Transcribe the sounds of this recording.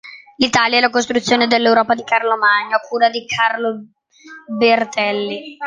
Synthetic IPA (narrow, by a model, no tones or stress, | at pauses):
lit̪aːljaɛlakost̪ɾut̪sːjoːned̪elːewɾɔːpad̪ikarlomaɲːaakʰːuːɾad̪ikʰarlo | bert̪ɛlːi